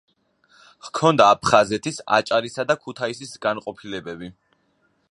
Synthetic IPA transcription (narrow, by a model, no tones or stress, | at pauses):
ʁkʰɔnd̪aːpʰχazɛt̪ʰisa̰t͡ʃʼaɾisad̪akʰut̪ʰaisisɡanqʼɔpʰilɛbɛbi